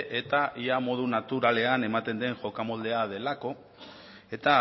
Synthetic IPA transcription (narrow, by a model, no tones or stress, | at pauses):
ʔe̞t̪aʔiamo̞ð̞unat̪uɾale̞ane̞mat̪e̞nd̪e̞ŋʝo̞kamo̞ld̪e̞aðe̞lako̞ | e̞t̪a